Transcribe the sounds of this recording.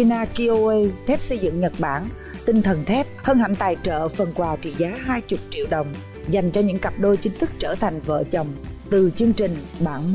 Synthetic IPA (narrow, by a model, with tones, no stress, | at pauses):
i˧naː˧ki˧ʔo˧ʔe˧t̪ʰɛ˦˥p̚sə˧jzɨ̰˧˨ŋɲə˨˩t̚ɓaː˧˩n | t̪ï˧ŋt̪ʰə˨˩nt̪ʰɛ˦˥p̚həː˧nɦa̰˧˩ŋt̪aː˨˩jt͡ɕə̰ː˧˨fə˨˩nkwaː˨˩t͡ɕḭ˧˨zaː˨˦ɦaː˧jt͡ɕʊ˨˩k͡p̚t͡ɕḭ˧əwɗə˨˩wŋ͡m | za˨˩jŋ̟t͡ɕɔ˧ɲɨ̰˧˥ŋka˨˩p̚ɗo˧jt͡ɕï˨˦ŋ̟t̪ʰɨ˦˥k̚t͡ɕəː˧˩t̪ʰa˨˩jŋ̟və̰ː˧˨t͡ɕə˨˩wŋ͡mt̪ɨ˨˩t͡ɕɨ˧əŋt͡ɕï˨˩ŋ̟ɓaː˧˩nm